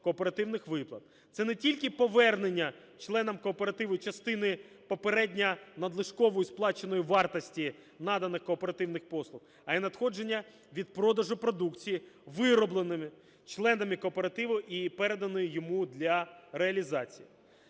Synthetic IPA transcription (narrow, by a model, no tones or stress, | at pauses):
kɔːpe̞ɾɐt̪ɪwnɪxʋɪplˠɐt̪̚ | t̪sɛnɛtʲilʲkɪpɔʋɛrnenʲːɐ | t͡ʃlˠɛnɐmkɔːpe̞ɾɐt̪ɪʋʊt͡ʃɐst̪ɪnɪ | pɔpeɾɛdʲnʲɐnɐd̪lˠɪʃkɔʋɔjisplˠɑt͡ʃe̞nɔjiʋɑrt̪ɐsʲtʲi | nɑd̪ɐnɪxkɔːpe̞ɾɐt̪ɪwnɪxpɔslˠʊx | ɐinɐd̪xɔd͡ʒe̞nʲːɐ | ʋʲid̪̚pɾɔd̪ɐʒʊpɾɔd̪ukt͡sʲijiʋɪɾɔblˠenɪmɪ | t͡ʃlˠɛnɐmikɔːpeɾɐt̪ɪʋʊʔipɛɾed̪ɐnɔjʊjɔmud̪lʲɐɾeɐlʲizɑt͡sʲijḭ